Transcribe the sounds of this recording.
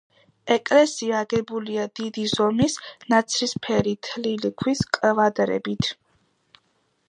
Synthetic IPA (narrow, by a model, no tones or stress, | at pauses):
ɛkʼlɛsiaːɡɛbuliad̪̥id̪izɔmisnat̪sʰɾispʰɛɾit̪ʰlilikʰwiskʼvad̪ɾɛ̰bit̪ʰ